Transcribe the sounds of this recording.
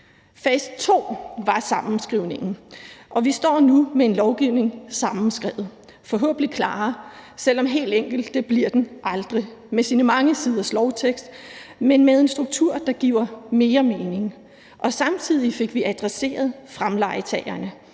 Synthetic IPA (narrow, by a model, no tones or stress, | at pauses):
fɛsd̥̚t͡sʰo̝̰ːʋɑ̈sɑ̈mm̩sɡ̥ʁiʊne̝ŋn̩ʔɒ̽ʋisd̥ɒ̰ːnumee̝nlɒʊɡ̥iʊ̰ne̝ŋsɑ̈mn̩sɡ̥ʁɛʊð̩ˠ | fɒ̽ɦo̰ːb̥ən̩ikʰlɑ̰̈ːsel̰ɒ̽mɦe̝̰ːld̥eŋ̰ɡ̥l̩d̥ːeb̥liɐd̥enʔɑ̈ld̥ʁimesiːnəmɑ̈ŋəsiːð̞ˠɐslɒʊt͡sʰeɡ̥sd̥menmeðˠe̝nsd̥ʁuɡ̥̚t͡sʰuɐ̰d̥ɑ̈ɡ̥ḭʊ̰ɐme̝ːɐme̝ːne̝ŋ | ʔɒ̽sɑ̈mt͡sʰið̞̰ˠife̝ɡ̥ʋiʔæd̥ʁase̝̰ːɐð̞ˠfʁamlɑ̈ɪt͡sʰɛ̰ːɪɐnə